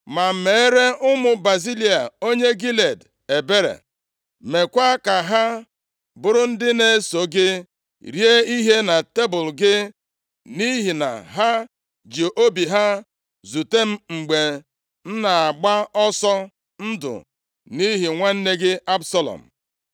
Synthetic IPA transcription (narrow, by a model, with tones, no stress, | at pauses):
ma˨m̩˦˨me˨e˦ɾe˦ʔʊ˦mʊ˨ba˨zi˦li˨a˨o˦ɲe˦ɡi˦le˨d | e˨be˦ɾḛ˨ | me˨kʷa˦ka˨ɦa˦ | bʊ˨ɾʊ˦n̩˦dɪ˦ne˦so˨ɡɪ˦ | ɾje˦i˦ɦe˦na˨te˦bʊ˨lɡɪ˦ | ni˦ɦi˨na̰˨ɦa˦ | d͡ʒe˨ʔo˦bi˨ɦa˦ | zu˨te˦m̩˦ŋ͡m̩˨ɡ͡be˨ | n̩˦na˨a˨ɡ͡ba˦ɔ˦sɔ˦ | n̩˦dʊ̰˨ | ni˦ɦi˨ŋʷa˦n̩˦ne˦ɡɪ˦a˦bsa˦lɔ̰˨m̩˨